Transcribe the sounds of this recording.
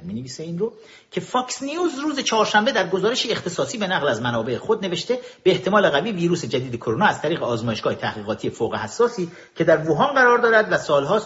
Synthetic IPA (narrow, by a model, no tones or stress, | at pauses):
mineviːseiːnro | cʰe̞fɒːksnijuːzruːze̞t͡ʃʰɒɦːɾʃæmbe̞d̪æɾɡo̞zɒːɾe̞ʃiːe̞χt̪ʰe̞sɒːsiːbe̞næɣlæzmænɒːbe̞exod̪ne̞ve̞ʃt̪e̞b̥eːht̪ʰe̞mɒːle̞ɣæviːviːɾuːse̞d͡ʒæd̪iːd̪e̞kʰoɾonɒːæz̥t̪ʰæɾiːɣeɒːzmɒːje̞ʃɡ̥ɒːhe̞t̪ʰæhɣiːɣɒːt̪ʰiːjefoːɣehæsːɒːsiː | cʰe̞d̪æɾvoɦɒːnɢæɾɒːɾd̪ɒːɾæd̪væsɒːlɦɒːs